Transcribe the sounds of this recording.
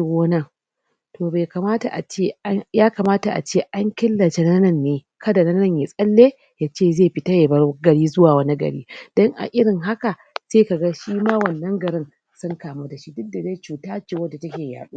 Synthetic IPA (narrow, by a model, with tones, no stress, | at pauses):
ɡoː˦nɐ˦˨ŋ | toː˨be˨ka˨maː˦ta̰˨ʔa̰˨t͡ʃe˦jaː˦ka˨maː˦ta˨ʔa̰˨t͡ʃeː˦ʔa˦ŋkʲɪ˦lːɐ˨t͡ʃe˦na˦nɐ˦˨nːeː˨ | kɐ˦da˨nɐ˦nɐ˦˨ɲjeː˨sʼɐ˦lːeː˦ | jaː˦t͡ʃeː˦˨zeː˦˨ɸɪ˦ta˦jeː˨bɐ˦ɡɐ˨ɽiː˦zʊ˦waː˨wɐ˦ni˦ɡɐ̰˨ɽḭː˦d̥ɔ˦ŋʔa̰˨ʔɪ˦ɽɪ˨ŋɦa˦ka˨ | seː˦ka˨ɡa˦ʃiː˦maː˦wɐ˨nːɐ˦ŋɡɐ˨ɽɪ˦n | sʊ˦ŋkaː˨mu˦da˨ʃi˦dʊ˦dːa˨ze˦t͡ʃuː˨taː˦t͡ʃeː˨wɐ˦dːa˨tɐ˦kʲeː˨ja̰ː˨ɗṵː˦